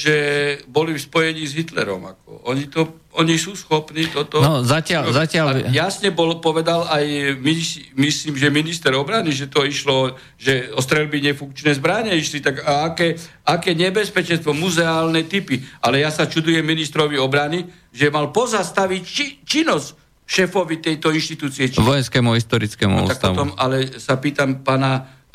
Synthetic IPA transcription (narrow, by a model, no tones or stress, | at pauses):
ʒɛbɔlifspɔjɛɲiːzɦit̪lɛ̰ɾɔ̰ma̰kɔ̰ɔɲit̪ɔ | ɔɲisuːsxɔpniːt̪ɔt̪ɔnɔzacɪazacɪaljasɲɛbɔlpɔʋɛd̪alajmismisliːmʒɛminist̪ɛɾɔbɾaniʒɛt̪ɔiʃlɔ | ʒɛɔst̪ɾɛlbiɲɛfuŋk̚t͡ʃnɛːzbɾaɲɛiʃlit̪aɡaakɛːakɛːɲɛbɛspɛt͡ʃɛnst̪ʋɔmuzɛaːlnɛt̪ipialɛjasat͡ʃud̪ujɛmːinist̪ɾɔʋiɔbɾani | ʒɛmalpɔzast̪aʋict͡ʃit͡ʃinɔs | ʃɛːfɔʋit̪ɛjt̪ɔinʃt̪it̪uːt͡siɛt͡ʃɔjɛnskɛːmuɦist̪ɔɾit͡skɛmṵt̪ak̚tpɔt̪ɔma̰lɛsapiːt̪ampaːna